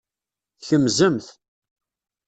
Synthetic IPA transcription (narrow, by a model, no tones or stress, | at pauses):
çəmzəmθ